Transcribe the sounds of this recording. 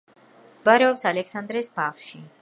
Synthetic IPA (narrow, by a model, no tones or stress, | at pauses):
baɾɛɔpsalɛksand̪ɾɛsbaχʃi